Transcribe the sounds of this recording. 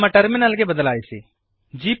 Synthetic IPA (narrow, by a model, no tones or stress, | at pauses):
mãʈəɾmɪnəlɡebəd̪əlaːisi | d͡ʒiːp